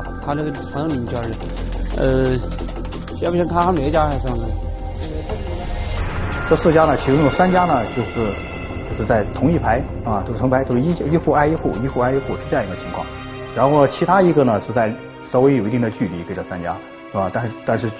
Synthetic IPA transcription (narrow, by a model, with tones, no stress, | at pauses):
t̪ʰa˥nə˥˩ɡə˩fʰə˧˥n˥˧ni˧˩n˩t͡ɕɑ˥˩ə˥˧˩ | ə˧ | ɕɛ˥u˥˩i˧˥ŋt̪ʰa˥xʰa˥me˨˩˥t͡ɕja˥xɪʂɑ˥˩ŋn˧˩˥ | ʈ͡ʂɤ˥˧sɹ̩˥˩t͡ɕja˥nə˨t͡ɕʰi˧˥ʈ͡ʂʊ˥ŋjo˨˩ʊsa˥nt͡ɕja˥nə˨t͡ɕjo˥˧ʊʂɻ̩˥˩ | t͡ɕjo˧ʂɻ̩˥˧t͡sa˥˩ɪt̪ʰʊ˧˥ŋi˥˩pʰa˧˥ɪɐ˧˩˥tʰʊ˧˥ŋi˥pʰa˥ɪʈ͡ʂi˥t͡ɕi˥xu˥˩a˥ɪi˥xu˥˩i˥xu˥˧a˥ɪi˧˥xu˥˩ʂɻ̩˥˧ɤ˥˧ɑ˥˧ŋ˧˥ɡə˧t͡ɕʰi˧˥ŋkʰwɑ̰˥˩ŋ | ɻa˧˥nxo˥˩n˩t͡ɕʰi˧˥t̪ʰa˥i˧˥ɡə˧nə˩ʂɻ̩˥˧t͡sa˥˩ɪ | ʂɑ˧˥ʊwe˧˥ɪjo˨˩i˧˥i˥˩ŋd̪ə˩t͡ɕy˥˩li˧˥ke˥ɪʈ͡ʂɤ˥˩sa˥nt͡ɕja̰˥ | te˥˩ba˧˩t̪a˥˧nt̪a˥˧nʂɻ̩˥˩